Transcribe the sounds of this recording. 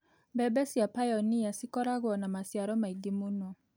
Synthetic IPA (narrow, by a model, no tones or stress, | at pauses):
bɛbɛsiapajɔniasikɔɾaɡwɔnamasiaɾɔmaiɡimunɔ